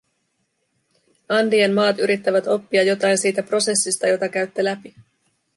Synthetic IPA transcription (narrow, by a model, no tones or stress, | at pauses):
ɑndienmɑːt̪yɾit̪ːæʋæt̪o̞pːiɑjːo̞t̪ɑjnsiːt̪æpro̞se̞sːist̪ɑjo̞t̪ɑk̟æɥt̪ːelæpi